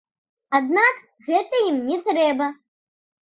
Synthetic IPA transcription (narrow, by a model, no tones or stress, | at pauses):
ad̪nak | ɣɛt̪ɐjimnʲɛt̪ɾɛbɐ